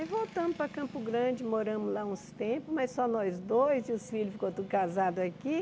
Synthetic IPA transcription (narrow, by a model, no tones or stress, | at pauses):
jvowt̪ɐ̃mʊpɾɐkɐ̃pʊɡɾɐ̃d͡ʒɪmoɾɐ̃mʊzlaũst̪ẽpʊsmɐjssɔnɔjzd̪ojzɪʊsfilʊfi̥kot̪ũd̪ʊkazad̪ʊaki